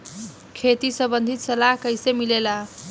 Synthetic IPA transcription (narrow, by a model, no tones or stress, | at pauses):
kʰet̪isʌmbənd̪ʱit̪sʌlakəjsemilela